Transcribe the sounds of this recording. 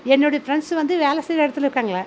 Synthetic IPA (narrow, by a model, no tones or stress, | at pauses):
ɛnːoɽifɾɐɳsʋɐnd̪ɯʋeːlɛseːɾɐɽɯt̪ːɐlɾɯkːaːŋɡɐɭaː